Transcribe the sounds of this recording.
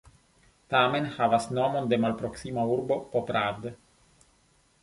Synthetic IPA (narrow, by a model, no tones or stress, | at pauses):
tame̞nhavasnomo̞nde̞malpɾoksimauɾbo̞popɾad